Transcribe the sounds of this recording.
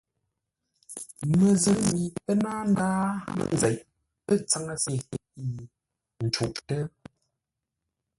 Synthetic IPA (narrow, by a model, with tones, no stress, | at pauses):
mə˨zə˨˦mi˨pə˦na˦ŋ˦daː˦ə̰˦˨n˨zɛ˨ʔ | pə˦t͡sa˦ŋa˦si˨i˦˨ | n̩˨t͡ʃu˨ʔtə˦